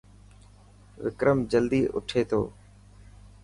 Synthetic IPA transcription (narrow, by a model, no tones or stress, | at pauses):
ʋɪkɾəmd͡ʒəld̪iːʔʊ̰ʈʰeːt̪ʰo̰ː